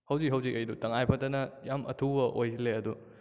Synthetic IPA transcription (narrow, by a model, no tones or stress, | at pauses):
hɐwziɦɐwzikʔɐjdutɐŋajpʰɐtɐnɐjamʔɐ̰tʰubɐʔojileɐdu